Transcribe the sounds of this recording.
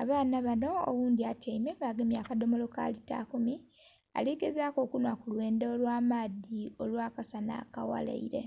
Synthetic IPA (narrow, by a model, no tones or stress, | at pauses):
aβaːnaβano̞o̰wuːndiataimeŋɡaːɡemjaːkado̞mo̞lo̞ka̰lita̰kumi | a̰liɡezaːko̞ːkunwakulwe̞ːndeolwaːmaːðio̞lwaːkasana̰kawa̰la̰iɾe̞̰